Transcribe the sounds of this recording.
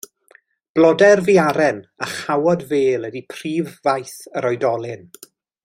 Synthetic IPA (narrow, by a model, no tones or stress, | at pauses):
b̥lˠɔdɛrviaɾɛnaχawɔdveːlˠədipʰriːvːajθəɾɔjdɔlˠɪn